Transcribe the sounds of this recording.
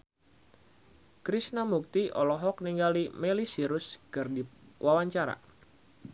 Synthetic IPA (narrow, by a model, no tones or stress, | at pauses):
kɾisnamuk̚t̪iʔɔlɔɦɔk̚niŋɡalimelisiɾʊskɨrdiwʔawaɲt͡ʃaɾa̰